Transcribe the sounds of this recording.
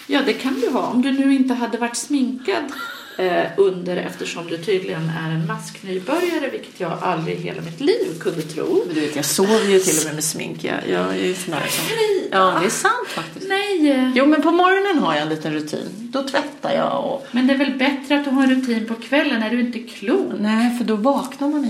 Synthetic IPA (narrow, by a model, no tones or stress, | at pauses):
jɑːd̪ɛkʰand̪ɵɦɑ̰ːɔmd̪ɵnʉ̟ːɪnt̪əɦad̪ːəvaʈːsmɪŋkad̪ | ʔɵnd̪əɾɛ̰ft̪əʂɔmd̪ɵt̪ʰyːd̪lɪɡənæ̰ɾɛnmasknyːbœɾjaɾəvɪlkə̥t̪jɑːɡʔa̰ld̪ɾɪ̰ɦḛːlʔa̰mɪt̪liːvkʰɵnd̪ət̪ʰɾṵːd̪ɵveːt̪jɑsoːvəjɵt̪ʰɪlːɔmɛmɛsmɪ̰ŋka̰jɑ̰ːæsɔnd̪æ̰ːɾsɔmʔɑːɛnd̪ɛːsant̪ffak̚t̪ɪsnɛjjuːmɛnpʰɔmɔɾɔnənɦaɾjaɛniːt̪ənɾɵt̪ʰḭːn | d̪̥ɔt̪ʰvɛt̪ʰːa̰ɾjɑ̰ːɔ̰mɛnd̪ɛævɛlbɛt̪ɾəat̪̚d̪ɵɦɑːɛnɾɵt̪ʰiːnpʰɔkʰvɛlːənːæɖɵɪnt̪əkʰluːnɛfœɖɔvɑːknaɾman